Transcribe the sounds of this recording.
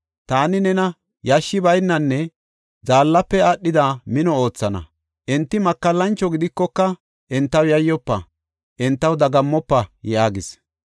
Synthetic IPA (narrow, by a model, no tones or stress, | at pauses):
t̪aːnɪnɛnɐ | jɐʃːɪbɐjnːɐnːɛ | d͡zaːlːɐpːɛaɗːɪd̪amɪnɔo̞ːt͡sːɐnɐ̰ | ʔɛnt̪ːɪmɐkːɐlːɐnt͡ʃːɔɡɪd̪ɪkːɔkːɐ | ʔɪnt̪ːɐwjɐjːɔpːɐ | ʔɪnt̪ːɐwd̪ɐɡɐmːɔpːɐjaːɡɪs